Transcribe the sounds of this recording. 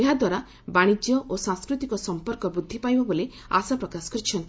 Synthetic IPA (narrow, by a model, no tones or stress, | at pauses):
eɦad̪waɾa | baɽ̃id͡ʒjɔʔosãŋskɾut̪ikɔsɔmpɔɾkɔbud̪ʱːipajbɔbole | a̰sapɾɔkasɔ̥kɾit͡ʃʰɔnt̪